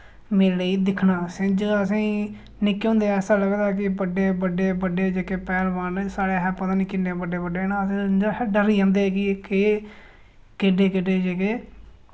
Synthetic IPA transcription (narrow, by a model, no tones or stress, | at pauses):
meːlɽeiːd̪ɪkʰnaːsɪ̃d͡ʒəsĩː | nɪkːõːnd̪eːɛːsaːləɡd̪aːkɪbəɖeːbəɖeːbəɖeːd͡ʒeːkeːpɛːlʋansaːɽeːɦɛːpət̪aːnikɪnːeːbəɖeːbəɖeːnaːəsĩːd͡ʒɖəɾiːãːnd̪eːkɪke | kɪɖeːkɪɖeːd͡ʒeːkeː